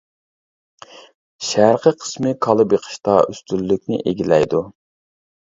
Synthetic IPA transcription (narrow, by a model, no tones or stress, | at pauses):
ʃæɾqʰəqʰə̥smɨkʰɑlˠɨbjeqʰə̥ʃt̪ɑʔyst̪ylːyk̚ʲnɪ̰ʔeɡʲilɛjd̪u